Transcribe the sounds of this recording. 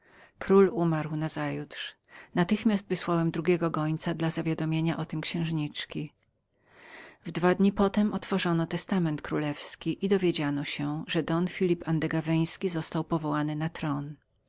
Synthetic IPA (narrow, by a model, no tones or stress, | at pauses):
kɾulumaɾwnazajut̪ʂ | nat̪ɘxmʲast̪vɘswawɛmd̪ɾuɡʲɛɡɔkɡɔɲt̪sad̪lazavʲjad̪ɔmʲjeɲaʔɔt̪ɘmkɕɛ̃w̃ʐɲit͡ʂkʲi | vd̪vad̪ɲipɔt̪ɛmɔt̪fɔʐɔnɔt̪ɛst̪amɛnt̪kɾulɛfskʲiʔid̪ɔvʲjed͡ʑanɔɕɛʐɛd̪ɔnfʲilʲipand̪ɛɡavɛj̃skʲizɔst̪awpɔvɔwanɘnat̪ɾɔn